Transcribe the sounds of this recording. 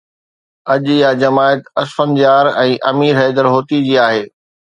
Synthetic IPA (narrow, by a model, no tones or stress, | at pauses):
ɐʄɪjad͡ʑɐmaːət̪ɐsfənd͡ʑaːɾɛ̃ːʔɐmiːɾɦɛːd̪əɾɦoːt̪id͡ʑiːaːɦeː